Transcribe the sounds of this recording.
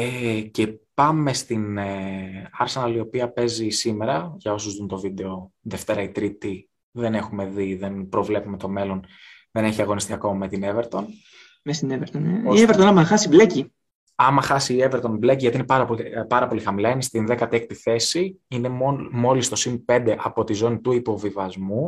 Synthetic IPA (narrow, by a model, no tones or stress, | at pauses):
ece̞pɐme̞st̪in | ɐɾse̞nɐlio̞piɐpe̞zisime̞ɾɐʝɐo̞suzðunt̪o̞vid̪e̞o̞ðe̞ft̪e̞ɾɐit̪ɾit̪i | ðe̞ne̞xume̞ðiðe̞npɾo̞vle̞pume̞t̪o̞me̞lo̞n | ðe̞ne̞çiɐɣo̞nist̪iɐko̞mɐmet̪ineveɾt̪o̞n | mest̪ineveɾt̪onieveɾt̪onɐmɐxɐsibleci | ɐmɐxɐsiːeveɾt̪o̞nbleciʝɐt̪iinepɐɾɐpolpɐɾɐpo̞lixɐmilɐnist̪inðe̞kɐt̪ek̚t̪iθe̞siine̞mo̞list̪o̞sinpe̞nd̪e̞ʔɐpo̞t̪izo̞nit̪uipo̞vivɐzmu